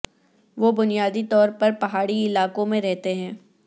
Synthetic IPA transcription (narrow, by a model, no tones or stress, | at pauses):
ʋoːbʊnijaːd̪it̪ɔːɾpɐɾpɐɦaːɽiɪlaːkõmẽɾɛɦt̪eɦɛ̃ː